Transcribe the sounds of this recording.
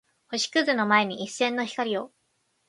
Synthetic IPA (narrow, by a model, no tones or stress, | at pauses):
ho̞ɕi̥kɯ̟zɨno̞mae̞ɲ̟iʔisːẽ̞nːo̞çi̥kaɾʲio̞